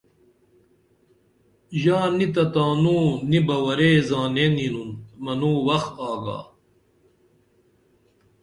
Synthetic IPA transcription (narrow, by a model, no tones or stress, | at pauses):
ʑaːnit̪ɐt̪aːnuːnibɐwɐɾeːzaːneninunmɐnuːwɐxaːɡa̰ː